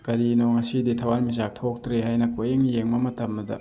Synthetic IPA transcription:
kɐɾinoŋɐsiditʰɐwanmiz̬ak̚tʰok̚tɾeɦajnɐkojeŋjeŋmɐmɐtʰɐmɐdɐ̰

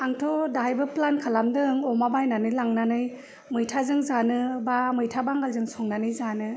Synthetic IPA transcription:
aŋtʰɔdajbɯplankʰalamdɯŋɔmabajnanɯjlaŋnanɯj | mɯjtʰazɯŋzanɯbamɯjtʰabaŋɡalzɯŋsɔŋnanɯjzanɯ

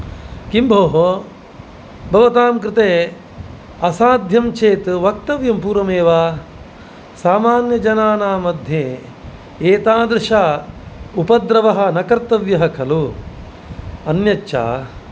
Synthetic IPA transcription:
kimbʱoːɦo | bʱɐʋɐt̪aːmkɾɪt̪eː | ɐsaːd̪ʱjɐmt͡ʃʰeːt̪ʋɐkt̪ɐʋjɐmpuːɾɐmeːʋaː | saːmaːnjɐd͡ʒɐnaːnaːmɐd̪ʱjeː | eːt̪aːd̪ɾɪʃaːupɐd̪ɾɐʋɐɦɐ̆nɐkɐɾt̪ɐʋjɐɦɐkʰɐlu | ɐnjɐt͡ʃːʃa̰ː

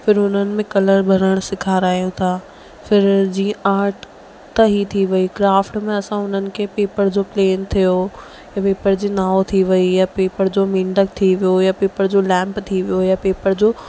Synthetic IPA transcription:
fɪɾʊn̤ənɪ̆mẽkɐləɾbʱɐɾəɽ̃sɪkʰaːɾaːɦijot̪ʰaː | fɪɾd͡ʑĩːə̃ʔaːɾʈ | t̪ɐɦit̪ʰiʋɐikɾaːfʈmẽɐsãʊn̤ənɪ̆kʰeːpeːpəɾd͡ʑoːpleːnt̪ʰijo | japeːpəɾd͡ʑiːnaːot̪ʰiʋɐijapeːpəɾd͡ʑoːmɪ̃ːɳɖək̚t̪ʰiʋijojapeːpəɾd͡ʑoːlɛ̃ːmpt̪ʰiʋijojapeːpəɾd͡ʑoː

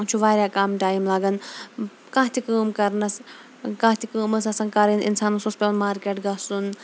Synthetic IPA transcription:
t͡ʃʰuʋaːɾjaːkaːmʈaːimlaːɡɐn | kãːɦt̪ʰikəːmkɐɾnɐs | kãːt̪ʰikəːmɐsɐsɐ̃ːkaːɾinʔɪ̰nsaːnususpʲelmaːɾkeːʈɡɐsun

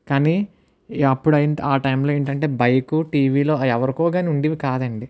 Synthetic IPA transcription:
kaːni | ɐpːuɽɐjinʈaːʈɐjmloːeːɳʈɐɳʈe̞ːbɐjɐkuʈiːʋiːlo̞ːɛʋɐɾikɔːɡaːniuɳɖiʋikaːd̪ɐɳɖi

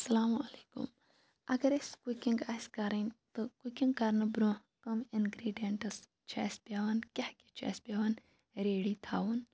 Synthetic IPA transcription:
ɐsɐlaːmɐleːkṵm | ɐɡɐɾeskukiŋɡaːskaɾɐnʲt̪ɨkukiŋɡkaɾnɐbɾũː | kɐminɡɾeːɖijeɳʈɐs | t͡ʃʰa̰ːspʲaːʋɐnkʲɐhki̥t͡ʃʰa̰ːspʲaːʋɐn | ɾeːɽiːt̪ʰaːwun

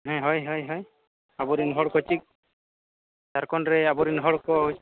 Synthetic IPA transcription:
ɦɛ̃ɦɔjɦɔjɦɔj | abɔɾinɦɔɽkɔt͡ʃik̚ | saɾkɔnɾɛabɔɾinɦɔɽkɔɦ

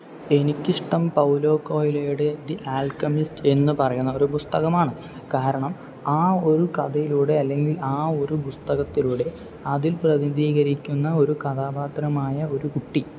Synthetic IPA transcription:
e̞nikʲːiʂʈɐmpɐwlo̞ːko̞ːjilejuɽe̞d̪iʔaːlkɐmiste̞nːɨpɐrɐjunːɐoɾupust̪ɐɣɐmaːɳɨ | kaːɾɐɳɐm | aːo̞ɾukɐðɐjiluːɽe̞ɐlːe̞ŋɡilaːo̞ɾupust̪ɐɣɐt̪ːiluːɽe̞ | ɐðilprɐðind̪iːɣɐɾikʲːunːɐo̞ɾukɐðaːbaːt̪rɐmaːjɐo̞ɾukuʈːi

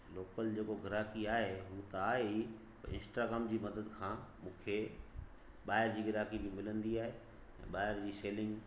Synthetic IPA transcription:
loːkəld͡ʑeːkoɡʱɪɾaːkiaːɦeɦut̪ɐaːɦei | pɐɪ̰̃nsʈaːɡɾaːmd͡ʑiːmɐd̪əd̪kʰãːmũːkʰe | ɓaːɦɪɾd͡ʑiːɡɪɾaːkibɪmɪlə̃nd̪iaːɦe | ɛ̰̃ːɓaːɦɪɾd͡ʑiːseːlɪ̃ŋɡ

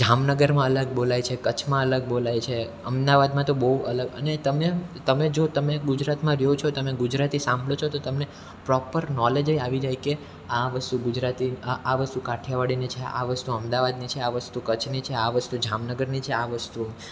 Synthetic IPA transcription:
d͡ʒamnəɡəɾmãələɡ̚bolajt͡ʃʰekət͡ʃʰmãələɡ̚bolajt͡ʃʰe | əmd̪aʋad̪mãt̪obəɦuələɡə̰net̪əmet̪əmed͡ʒot̪əmeɡud͡ʒɾat̪mãɾɛot͡ʃʰot̪əmeɡʊd͡ʒɾat̪isãmbɭot͡ʃʰot̪ot̪əmne | pɾɔpəɾnɔled͡ʒeaʋid͡ʒaɦike | aʋəst̪uɡud͡ʒɾat̪iaʋəst̪ukaʈʰjaʋaɽinit͡ʃʰeʔa̰ʋəst̪uəmd̪aʋad̪nit͡ʃʰeaʋəst̪ukət͡ʃʰnit͡ʃʰeaʋəst̪ud͡ʒamnəɡəɾnit͡ʃʰeaʋəst̪u

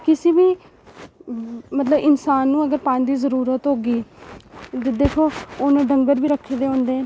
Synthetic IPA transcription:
kɪsiːbiː | mət̪ləbɪnsaːnːũːəɡəɾpãːnd̪iːzəɾuːɾət̪ɦoːɡiː | d̪ed̪eːkʰoːʊnẽːɖəŋɡəɾbiːɾəkʰːeːd̪eːɦõːnd̪ẽː

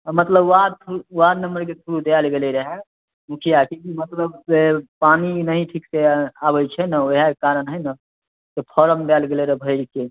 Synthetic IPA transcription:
mət̪ləbwad̪̚sʰuwad̪nəmbəɾkesʰuɾud̪elɡeleɾəɦɛ | mukʰijakekimət̪ləbepaninəɦĩʈʰikseabəjt͡ʃʰɛnaoɦakaɾənɦəjna | t̪epʰɔɾəmd̪ɛlɡeleɾəɦbʱəɪɾke

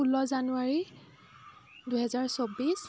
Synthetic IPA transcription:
ulɔzanuaɹi | duɦɛzaɹsobis

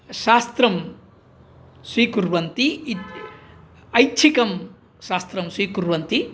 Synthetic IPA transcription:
ʃaːst̪ɾɐm | sʋiːkuɾʋɐnt̪i | ɐjt͡ʃʰikɐm | ʃaːst̪ɾɐmsiːkuɾʋɐnt̪i

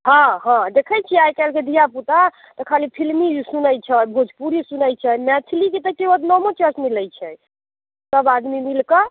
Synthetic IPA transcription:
ɦãɦãd̪ekʰət͡ʃʰiajkɛlked̪ʱijaput̪a | t̪ɔkʰalipʰilmisunəjt͡ʃʰəbʱod͡ʒʱpuɾisunəjt͡ʃʰəmɛt̪ʰilikit̪əkeot̪nɔmot͡ʃɛsmiləjt͡ʃʰɛ | səbad̪mimilkə

